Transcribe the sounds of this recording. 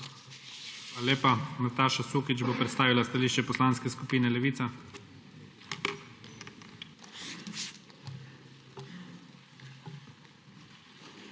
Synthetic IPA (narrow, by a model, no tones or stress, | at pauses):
xaːlaleːpanat̪aːʃasuːkit͡ʃboːpɾɛt̪st̪aːʋilast̪aliːʃt͡ʃɛpɔslaːnskɛskupiːnɛlɛʋiːt̪sa